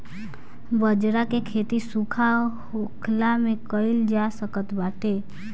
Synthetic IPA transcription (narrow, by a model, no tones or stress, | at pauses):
bəd͡ʒɾakekʰeːt̪isukʰahokʰlamẽkəɪld͡ʒasəkət̪baːʈe